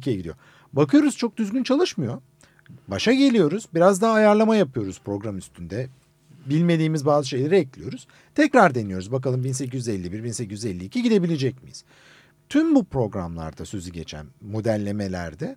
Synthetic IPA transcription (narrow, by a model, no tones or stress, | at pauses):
cʰijɛɟid̪ijo̰ | bakɯjo̞ɾuz̥t͡ʃʰok̚d̪yzɡʲynt͡ʃʰalˠɯʃmɯjo̞ | baʃaɟe̞lʲijo̞ɾuz̥biɾazd̪aɦaːjaɾlˠamajapɯjo̞ɾuzpɾo̞ɡɾamyst̪ʰynd̪ɛ | bilʲme̞d̪iːmizbaːzɯʃe̞jlʲeɾiɛclʲijo̞ɾuz̥ | t̪ʰɛcɾaɾd̪e̞nijo̞ɾuzbak̬alˠɯmbinse̞c̬izyzɛlʲːibiɾbinse̞cizyzɛlʲːiːcʰiɟid̪e̞bilʲe̞d͡ʒɛc̚mijḭz̥ | t̪ʰymbupɾo̞ɡɾa̰mlˠa̰ɾd̪asøzyɟe̞t͡ʃʰæ̰nmo̞d̪ælʲːe̞me̞lʲæ̰ɾd̪ɛ